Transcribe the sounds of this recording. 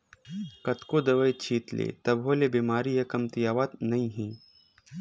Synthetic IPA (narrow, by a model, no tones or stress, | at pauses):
kɐt̪kod̪ɐʋɐjt͡ʃʰiːt̪lḛːt̪ɐbɦoːlebiːmaːɾijɐkɐmt̪ijaːʋat̪nɐĩɦĩː